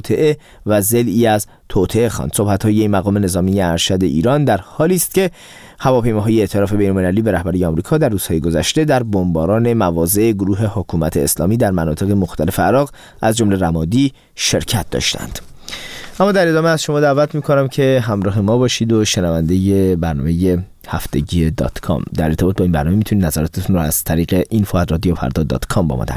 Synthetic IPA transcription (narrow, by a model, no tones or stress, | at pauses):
t̪ʰe̞ʔe | væzeliːæz | t̪ʰoːt̪ʰeexɒ̰nd̪̥sohbæt̪hɒːjeimæɣɒːme̞ne̞zɒːmijeæɾʃæd̪e̞ʔḭːɾɒːnd̪æɾhɒːliːst̪̚ce | hævɒːpʰe̞jmɒːɦɒːjeːt̪ʰelɒːfe̞be̞jnolmelæliːbe̞ɾæhbæɾijeɒːmɾiːkʰɒːd̪æɾrːuːz̥hɒːjeɡo̞zæ̰ʃt̪e̞d̪æɾbombɒːɾɒːne̞mævɒːze̞ʔeɡoɾuːɦe̞hokʰuːmæ̰t̪ʰḛːslɒ̰ːmiːd̪æɾmænɒ̰ːt̪ʰe̞ɣemoxt̪ʰæle̞fe̞æɾɒːɣ | ʔæzd͡ʒomle̞ɾæmɒːd̪i | ʃe̞ɾcʰæt̪̚d̪ɒ̰ːʃt̪ʰæ̰nd̪̥ | ʔæmːɒːd̪æɾe̞d̪ɒːmeæzʃo̞mɒːd̪æːvæt̪ʰmiːkʰonæmcʰe̞ɦæmɾɒːɦe̞mɒːbɒːʃiːd̪oʃenævænd̪e̞jebæɾnɒ̰ːmeje̞ | hæft̪e̞ɟiːed̪ɒ̰t̪kʰɒ̰md̪æɾe̞ɾt̪ʰebɒːt̪̚bɒinbæ̰ɾnɔːme̞mit̪ʰunid̪næzæɾɒːt̪ʰet̪ʰunrɔæz̥t̪ʰæɾiːɡeʔinfoærɾɒːd̪ijofæ̰ɾd̪ɒːd̪ɒ̰ːt̪kʰɒmbɒ̰ːmɒ̰d̪æ̰ɾ